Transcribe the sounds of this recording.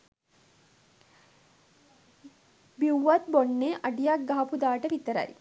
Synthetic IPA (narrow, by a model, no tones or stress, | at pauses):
biwːat̪̚bonːeːʔɐɖijak̚ɡaɦɐpud̪aːʈəʋit̪əɾa̰j